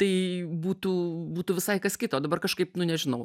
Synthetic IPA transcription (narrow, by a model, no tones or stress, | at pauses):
t̪ɐɪbuːt̪uːbuːt̪uʋʲɪsɐɪkɐskʲɪt̪oːd̪ɐbɐrkɐʃkɐɪpnʊnʲɛʒʲɪnɐʊ